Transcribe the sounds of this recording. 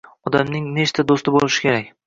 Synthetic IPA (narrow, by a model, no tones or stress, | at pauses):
ɒd̪amnɪŋne̞t͡ʃt̪ad̪ost̪ɪbolɪʃɪ̥kʲʰe̞ɾakʲ